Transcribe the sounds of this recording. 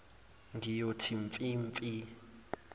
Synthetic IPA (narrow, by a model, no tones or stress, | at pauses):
ŋɡijotʰiɱfʼiɱfi